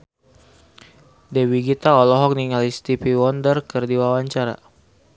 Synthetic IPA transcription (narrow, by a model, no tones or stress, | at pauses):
dɛwiɡit̪aɔlɔɦɔk̚niŋalist̪ipiwɔndərkɨrdiwawaɲt͡ʃaɾa̰